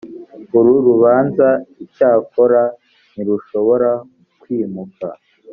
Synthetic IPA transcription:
uɾuɾuβaːnzaicaːko̞ɾa | niɾuʃo̞βo̞ɾa | kwiːmuka̰

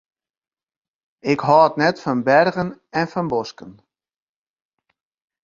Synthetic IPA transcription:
ɪkɦɔːətnɛtfɔnbɛrɣənɛnfɔnbɔskən

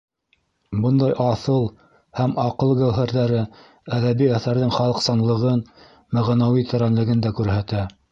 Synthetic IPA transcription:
bɤnd̪ɑjʔɑθɤlˠ | hæmɑqɤlˠɡæwɦæɾðæɾɘ | æðæβiæθæɾðɘŋχɑlˠɤ̆qsɑnlˠɤ̆ʁɤn | mæʁnæwit̪ɘ̆ɾænlɘ̆ɡɘ̆nd̪ækʉɾhæt̪æ

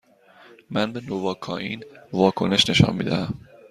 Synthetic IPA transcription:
mænbe̞novɒːkʰɒːʔiːnvɒːkʰone̞ʃne̞ʃɒ̰nmḭːd̪æhæm

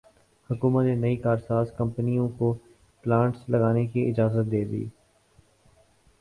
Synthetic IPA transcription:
hʊkuːmət̪menɐikaːɾsaːzkɐ̃mpnijõko | plãːɳʈslɐɡaːnekiʔɪd͡ʒaːzət̪̚d̪eːd̪ḭː

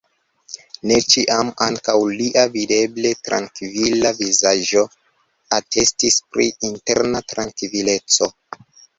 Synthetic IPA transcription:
ne̞t͡ʃiʔamaŋkawliʔavide̞ble̞tɾa̰ŋkvilavizaʒo̞ | atʰe̞stispɾḭinte̞̰ɾnatɾaŋkvile̞t͡so̞

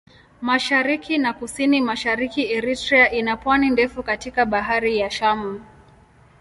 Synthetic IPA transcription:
maʃaɾikʰinakusinimaʃaɾikiɛɾitɾiaʔinapwanindɛfukatikaɓaɦaɾijaʃamu

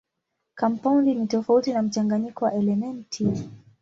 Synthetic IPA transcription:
kampaundinitɔfautinam̩t͡ʃaŋɡaɲikɔwaʔɛlɛmɛntʰi

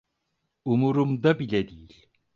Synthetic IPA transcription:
umuɾumd̪abilʲɛd̪ijilʲ

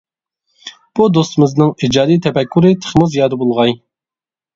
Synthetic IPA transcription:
b̥ud̪ost̪ɨmɪznɨŋid͡ʒɑːd̪ijt̪ʰɛpɛkʲːyɾɨt̪ʰə̥χmʊzjɑːd̪əbolˠʁɑj

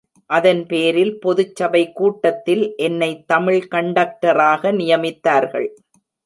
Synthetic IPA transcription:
ʔɐðɐnpeːɾɪlpɔðɯt͡ʃːɐbɐɪkːuːʈːɐt̪ːɪlʔɛnːɐɪt̪ːɐmɪɭkɐɳɖɐːk̚ʈɐɾaːɣɐnɪjɐmɪt̪ːaːɾɣɐ̰ɭ

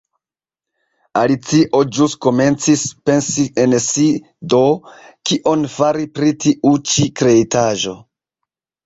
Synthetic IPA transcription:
alit͡siʔo̞d͡ʒusko̞me̞nt͡sispe̞nsiensi | do̞kiʔo̞nfaɾipɾitiʔut͡ʃikɾe̞itaʒo̞

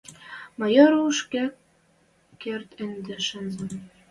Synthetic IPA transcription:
mɑ̆jɤɾuʃkækː | ert̪ɘ̆nd̪ɘ̆ʃɤ̆nzɤ̆m

